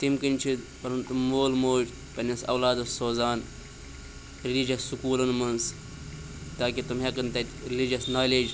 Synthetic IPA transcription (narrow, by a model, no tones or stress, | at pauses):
t̪imkinʲt͡ʃʰid̪ | pɐɾɐnt̪umoːlmoːd͡ʒ | pɐnʲɐsɐ̰wlaːd̪ɐsoːzaːn | ɾilid͡ʒɐsːukuːlɐnmɐns | t̪aːkit̪umɦekɐnt̪ɐtʲɾilid͡ʒɐsnaːled͡ʒ